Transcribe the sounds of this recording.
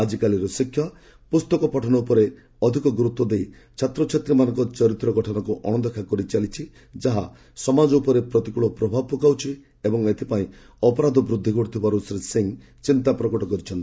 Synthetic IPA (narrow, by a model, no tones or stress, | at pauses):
ad͡ʒikaliɾɔsikʰjɔ | pust̪ɔkɔpɔʈʰɔnɔupɔɾe | ɔd̪ʱikɔɡɾut̪ːwɔd̪ej | t͡ʃʰat̪ɾɔt͡ʃʰet̪ɾimanɔ̃ŋkɔt͡ʃɔɾit̪ɾɔɡɔʈʰɔnɔkuʔɔɽ̃ɔd̪ekʰakɔɾit͡ʃalit͡ʃʰi | d͡ʒaɦa̰ | sɔmad͡ʒɔupɔɾepɾɔt̪ikuɭɔpɾɔbʱab̚pɔkawt͡ʃʰi | ebɔŋet̪ʰipaĩ | ɔpɔɾad̪ʱɔbɾud̪ʱːikɔɽit̪ʰibaɾusɾeseŋ | t͡ʃint̪apɾɔkɔʈɔkɔɾit͡ʃʰɔnt̪ii